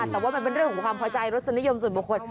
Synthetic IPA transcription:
a˨˩t̪ɛː˨˩waː˥˩ma˧npe˧nɾɯ˥˩əŋkʰɔ˨˩˦ŋkʰwaː˧mpʰɔː˧t͡ɕa˧jɾo˦˥t̪̚sa˧ni˦˥jo˧ms̬u˨˩nbu˨˩kʰo˧n

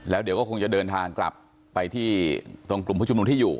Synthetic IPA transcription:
lɛː˦˥di˩˦kɔ˥˩kʰo˧ŋt͡ɕa˨˩dɤː˧nt̪ʰaː˧ŋkla̰˨˩pː | a˧jt̪ʰiː˥˩t̪u˧əŋklu˨˩pʰaː˦˥˩u˧mu˧nt̪iː˥˩juː˨˩

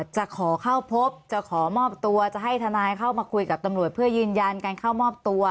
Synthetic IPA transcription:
t̪̚t͡ɕa˨˩kʰɔː˩˦kʰa˥˩wpʰo˦˥p̚t͡ɕa˨˩kʰɔː˩˦mɔː˥˩p̚t̪u˧ɐt͡ɕa˨˩ɦa˥˩jt̪ʰa˧naː˧jkʰa˥˩wmaː˧kʰu˧jka˨˩p̚t̪a˧mɾu˨˩ət̪̚pʰɯː˥˩ɐjɯː˧nja˧nkaː˧nkʰa˥˩wmɔː˥˩p̚t̪u˧ɐ

